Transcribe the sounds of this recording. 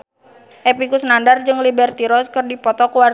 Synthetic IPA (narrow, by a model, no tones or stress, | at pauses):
ʔepikusnandard͡ʒɨŋlibɛrt̪iɾɔskɨrdipɔt̪ɔkuwar